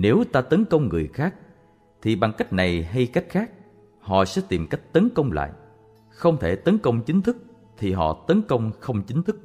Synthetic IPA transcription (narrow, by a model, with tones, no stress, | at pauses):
ne˨˦wt̪aː˧t̪ə˨˦nkə˧wŋ͡mŋɨ̰˨˩əjxaː˦˥k̚ | t̪ʰi˨˩ɓa˨˩ŋka˦˥jk̟̚na˨˩jɦa˧jka˦˥jk̟̚xaː˦˥k̚ | hɔ̰˧˨sɛ̰˧˥t̪i˨˩mka˦˥jk̟̚t̪ə˨˦nkə˧wŋ͡mla̰ː˧˨j | xə˧wŋ͡mt̪ʰe˧˩t̪ə˨˦nkə˧wŋ͡mt͡ɕï˨˦ŋ̟t̪ʰɨ˦˥k̚ | t̪ʰi˨˩ɦɔ̰˧˨t̪ə˨˦nkə˧wŋ͡mxə˧wŋ͡mt͡ɕï˨˦ŋ̟t̪ʰɨ˦˥k̚